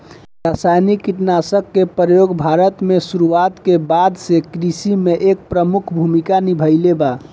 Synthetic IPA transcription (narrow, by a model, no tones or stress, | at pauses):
ɾasajnikːiʈnasəkːepɾəjoɡbʱaɾət̪mesuɾuat̪kebad̪sekɾisimeʔek̚pɾəmukʰbʱumikanibʱəɪleba